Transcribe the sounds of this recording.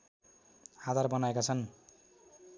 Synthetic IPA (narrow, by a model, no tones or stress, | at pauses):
ad̪ʱarbʌnaekat͡sʰʌn